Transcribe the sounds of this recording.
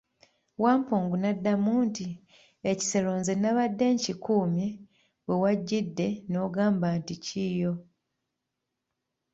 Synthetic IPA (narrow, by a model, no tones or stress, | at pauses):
waːmpoːŋɡunadːamuːnti | eci̥seloːnzenaβadːe̞ːɲcikuːmje | βwewaɟːidːe̞no̞ːɡaːmbanticiːjo̞